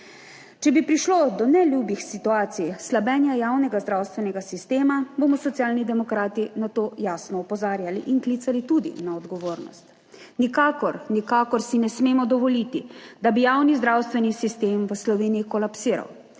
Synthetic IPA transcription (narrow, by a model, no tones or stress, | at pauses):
t͡ʃɛbipɾiʃlod̪ɔnɛlʲjubixsit̪uaːt̪sijslabɛːnjajawnɛɡazd̪ɾawst̪ʋɛnɛɡasist̪eːmaboːmɔsɔt̪sjaːlnid̪ɛmɔkɾaːt̪inat̪oːjaːsnɔɔpɔzaːɾjalḭʔinklit̪salit̪ud̪ḭnaɔd̪ɡɔʋoːɾnɔ̰st̪ | nikaːkɔɾnikaːkɔɾsinɛsmeːmɔd̪ɔʋɔlit̪id̪abijawnizd̪ɾaːwst̪ʋɛnisist̪eːmʋəslɔʋeːnijikɔlapsiːɾa̰w